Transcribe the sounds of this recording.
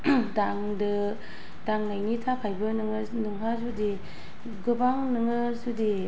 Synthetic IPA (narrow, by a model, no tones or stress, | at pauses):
daŋdɯ | d̥aŋnajnitʰapʰajbɯnɯŋɯ | nɯŋɦazudi | ɡɯbaŋnɯŋɯsudi